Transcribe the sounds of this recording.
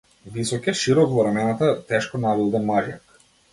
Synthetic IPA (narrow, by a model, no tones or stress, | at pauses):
visɔkɛʃiɾɔkvɔɾamɛnat̪at̪ɛʃkɔnavilˠd̪amaʒjak